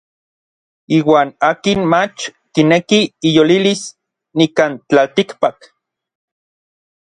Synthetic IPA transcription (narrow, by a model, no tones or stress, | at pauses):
iːwaːnaːkinmat͡ʃk̪inekiːjolilis | nikant͡ɬalt̪ikpak